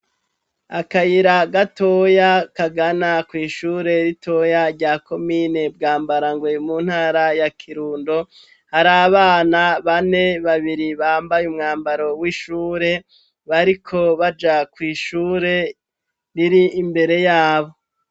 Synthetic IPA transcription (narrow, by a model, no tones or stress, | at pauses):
akajiɾaɡato̞jakaɡanakwiːʃuːɾe̞ɾitʰo̞jaɾɟaːkʰo̞miːne̞bɡaːmbaɾaŋɡwe̞munhaːɾajakʰiɾuːndo̞ | haɾaβaːnaβane̞βaβiɾiβaːmbajumŋaːmbaɾo̞wiːʃuːɾe̞ | βaɾikʰo̞βad͡ʒakwiːʃuːɾe̞ | ɾiɾiːmbe̞ɾe̞jaːβo̞